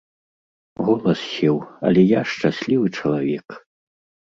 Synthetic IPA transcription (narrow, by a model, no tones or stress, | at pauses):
ɣɔlˠɐsɕʲɛwɐ̰lʲɛjaʂt͡ʂasʲlʲivɨt͡ʂɐlˠavʲɛk